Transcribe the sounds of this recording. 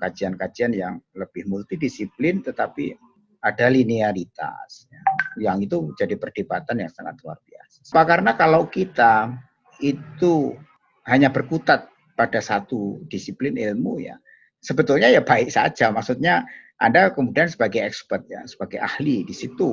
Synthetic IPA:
kad͡ʒiankad͡ʒianjaŋləb̥ɪhmult̪idisiplɪnt̪ət̪apḭ | adaliniaɾit̪a̰sjajaŋit̪ud͡ʒadipərd̥ibat̪anja̰ŋsaŋa̰t̪lua̰rbia̰sḁpakaɾənakalawkit̪a | it̪u | ɦaɲabərkut̪at̪̚ | padasat̪ud̥isiplɪnɪlmṵja̰ | səbət̪ʊlɲajabaɪʔsa̰d͡ʒamaksut̪̚ɲaʔa̰ndakəmudiansəbaɡajɛkspərt̪̚ja̰sə̥b̥aɡaja̰hlidisit̪u

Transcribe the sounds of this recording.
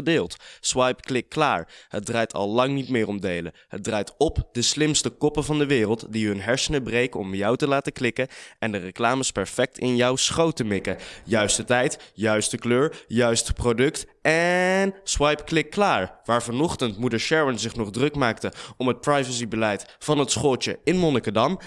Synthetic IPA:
ədɪːlˠtsʋɑjpklɪkːla̰ːɹɦət̚draːjtʰɑ̰lˠlɑŋnitmɪːrɔmdejləɦət̚draːjtɔpdəslɪmstəkɔpəvɑndəʋɪːrəlˠtdiɦɵnɦɛɹsənəbrejkəɔmjɑwtəlaːtəklɪkəɛndərəklaːməspɛɹfɛk̚tɪnjɔwsχowtəmɪkəjœɥstətɛjtjœɥstəkløːɹjœɥstprodɵktʔɛnswɑjpklɪkːlaːɹʋaːɹvɑnɔχtəntmudəɹʃɛɹənzɪχnɔχdrɵkmaːktəɔmət̚prajvəsibəlɛjtfɑnɦətsχɔt͡ʃə̰ɪnmɔnəkədɑm

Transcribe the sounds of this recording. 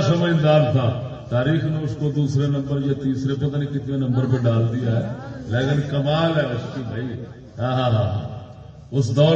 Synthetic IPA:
səməɪ̃nd̪aːɾt̪ʰãː | t̪aːɾiːxnẽːʊskod̪uːsɾeːnə̃mbəɾjaːt̪iːsɾeːpət̪aːneːkɪt̪nẽːnə̃mbəɾpəɖaːld̪ɪjaːɦɛːleːkɪnkəmaːlɦɛːʊsk̪ũb̪ʱəiː | ɦãːɦãːɦãːɦã̰ː | ʊsd̪ɔː

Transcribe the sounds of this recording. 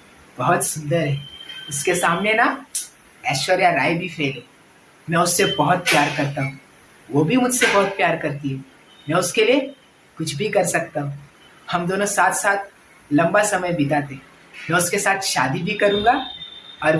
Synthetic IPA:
bɐɦʊt̪sʊ̃nd̪əɾɦɛːʊskesaːmnena | ɛːsʃəɾjaɾaːibʱifʰeːlẽː | mɛ̃ʊsːebɐɦʊt̪̚pjaːɾkɐɾt̪aɦũː | ʋobʱimʊd͡ʒʱsebɔɦʊt̪̚pjaːɾkɐɾt̪iɦũː | mɛ̃ːʊskelie | kʊt͡ʃʰbʱikɐɾsɐk̚t̪aɦũː | hɐmd̪oːnosaːt̪ʰsaːt̪̚ʰ | lɐ̃mbasɐməjbit̪at̪ʰe | mɛ̃ːʊskesaːt̪ʰʃaːd̪ibʱikɐɾũːŋɡaɔːɾ

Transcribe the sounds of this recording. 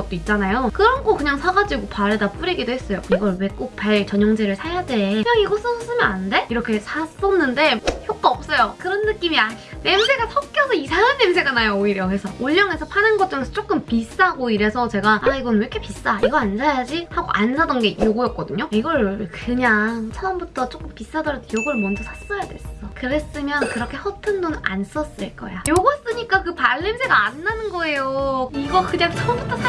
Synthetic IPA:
ɡʌt̚t͈oit̚t͡ɕ͈anajokɯɾʌnɡokɯɲaŋsʰaɡad͡ʑiɡopaɾedap͈uɾiɡidoɦe̞s͈ʌjoiɡʌɭwe̞k͈uk̚paɭt͡ɕʌɲʌŋd͡ʑeɾɯɭsʰajade̞jʌiɡʌs͈ʰɯsʌs͈ɯmjʌnanɯnde̞iɾʌkʰe̞sʰas͈ʌnːɯnde̞çjok̚k͈aʌp̚s͈ʌjokɯɾʌnːɯk͈imiane̞musʰe̞ɡasʰʌk͈jʌsʰʌisʰaŋʌnːemunʰe̞ɡanajooiɾjʌkɯɾesʰʌoʎːʌŋe̞sʰʌpʰanɯnɡʌt͡ɕ͈oŋesʰʌt͡ɕ͈ok͈ɯmpis͈aaɡoiɾe̞sʰʌt͡ɕe̞ɡaaiɡʌnɯnʌkʰepis͈aiɡʌansʰajad͡ʑihaɡo̰ʔansʰadʌnɡe̞joɡojʌt̚k͈ʌdɯɲoiɡʌɭkɯɲaŋt͡ɕʰʌːmbutʰʌt͡ɕ͈ok͈ɯmpis͈adʌɾʌtʰejoɡʌɭmwʌnd͡ʑʌsʰasʰmajadwe̞s͈ʌʌkɯɾe̞s͈ɯmjʌnkɯɾʌkʰe̞hʌtʰɯndonɯnʔa̰ns͈ʌs͈ɯɭk͈ʌ̰jajoɡus͈ɯɲik͈akɯpaɭːemsʰe̞ɡaːnːanɯnɡʌe̞joiɡʌkɯɲaŋt͡ɕʰʌʌmbutʰʌsʰa

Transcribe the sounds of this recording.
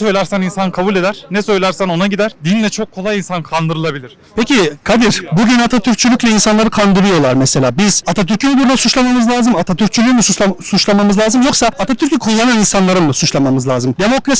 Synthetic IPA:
sø̞jlʲæɾsæninsankʰabuːlʲed̪æɾ̥nɛsø̞jlʲæɾsæno̞naɟid̪æɾd̪inlʲɛt͡ʃʰo̞kʰːo̞lˠajinsankʰand̪ɯɾɯlˠabilʲiɾ̥ | pʰecikʰad̪iɾ̥buɟynat̪ʰat̪ʰyɾ̚t͡ʃʰylʲycʲlʲɛinsanlˠaɾɯkʰand̪ɯɾɯjo̞lˠaɾmɛselʲaːbiz̥at̪ʰat̪ʰyɾcʰynyb̪uɾnasut͡ʃlˠamamɯzlʲˠaːzɯmat̪ʰat̪yɾ̚t͡ʃʰylʲyjmɛsuasut͡ʃlˠamamɯzlˠaːzɯmjo̞ksaat̪ʰat̪ʰyɾcʰykʰulˠːananinsanlˠaɾɯmmɯsut͡ʃlˠamamɯzlʲˠaːzɯmd̪e̞mo̞kɾas

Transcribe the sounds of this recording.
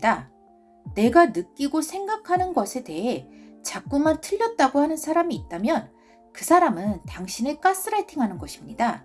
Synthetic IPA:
da | ne̞ɡanɯk͈iɡosʰe̞ŋɡakʰanɯnɡʌsʰe̞te̞ɦe̞t͡ɕak̚k͈umantʰɯʎːʌt̚t͈aɡoɦanɯnsʰaɾamiːt̚t͈amjʌn | kɯsʰaɾamɯntaŋɕʰinɯɭk͈as͈ɯɾaɭtʰiŋɦanɯnɡʌɕʰimɲida

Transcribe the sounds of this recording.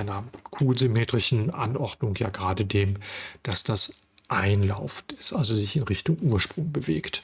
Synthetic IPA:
ɪnɐkʰuːlzymeːtʁ̥ɪʃn̩ʔa̰nʔɔɐdnʊŋja̰ːɡʁaːdədeːmd̥asd̥as | ʔaɪnla̰ʊfn̩tɪstʔalzozɪçɪnʁɪçtʊŋʔuːɐʃpʁ̥ʊŋbəveːkt

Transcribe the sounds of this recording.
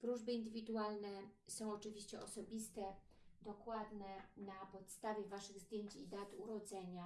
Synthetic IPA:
pɾuʐbɘind̪ɘvʲid̪ualnɛsɔ̃w̃ɔt͡ʂɘvʲiɕt͡ɕɛɔsɔbʲist̪ɛ | d̪ɔkwad̪nɛnapɔt̪st̪avʲjɛvaʂɘɣzd̪jeɲt͡ɕid̪at̪uɾɔd̪zɛɲa

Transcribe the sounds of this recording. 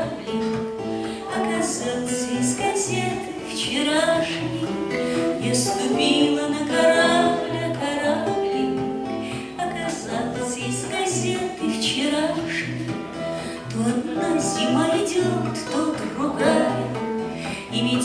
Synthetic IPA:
blʲɪ | ɐkɐzat̪səjiskɐsʲet̪ɨft͡ɕɪɾaʂnʲi | jast̪ʊpʲilˠənəkɐɾablʲɐkaɾablʲɪ | ɐkɐzat̪səjiskɐsʲet̪ɨft͡ɕɪɾaʂnʲɪ | t̪ot̪nazʲɪmalʲɪdʲek̪t̪ot̪rʊɡajɪt | ɪmʲɪ

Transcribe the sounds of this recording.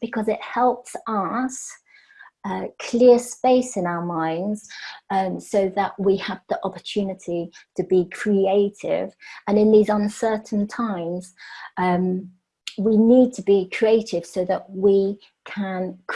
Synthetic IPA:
b̥ɪkʰɒzɪʔhɛlˠpsʌs | ʌkʰl̥ɪəspeɪsɪ̃naʊəmãɪ̃ndz̥ʌ̃səʊðəʔwiəvðiʔɒpə̥t͡ʃʰʉːnɪtʰitʰəbikʰɹ̥ieɪtʰɪ̰və̃nɪ̃nðizʌ̃nsɜˑʔn̩tʰãɪ̃mz̥ʌ̃m | winiːd̚tʰəbikʰɹ̥ieɪtʰɪv̥səʊðəʔwi | kʰə̃nk

